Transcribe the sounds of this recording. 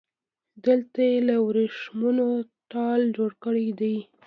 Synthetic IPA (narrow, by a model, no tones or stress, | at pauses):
d̪əlt̪ajelawɾeʂmunot̪ɑld͡ʒoɽkəɽid̪aj